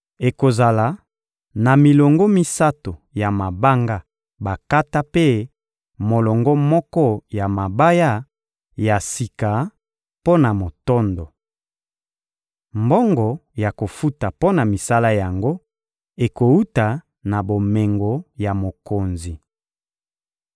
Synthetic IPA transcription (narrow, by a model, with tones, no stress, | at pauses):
e˨ko˨za˨la˨ | na˨mi˨lɔ˨ŋɡɔ˦mi˦sa˦to˨ja˨ma˨ba˦ŋɡa˦ | ba˨ka˦ta˦pe˦ | mo˨lɔ˨ŋɡɔ˦mɔ˦kɔ˦ja˨ma˨ba˦ja˦ | ja˨si˨ka˨ | po˦na˨mo˨tɔ˦ndɔ˨ | mbɔ˦ŋɡɔ˨ja˨ko˨fu˦ta˨po˦na˨mi˨sa˦la˦ja˨ŋɡo˦ | e˨ko˨u˦ta˨ | na˨bo˨me˨ŋɡɔ˨ja˨mo˨ko˨nzi˨